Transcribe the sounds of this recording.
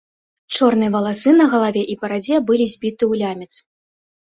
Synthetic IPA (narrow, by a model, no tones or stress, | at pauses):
t͡ʂɔrnɨjɐvɐlˠasɨnɐɣɐlˠavʲɛʔipɐɾad͡zʲɛbɨlʲizʲbʲit̪ɨwlʲamʲɛt̪s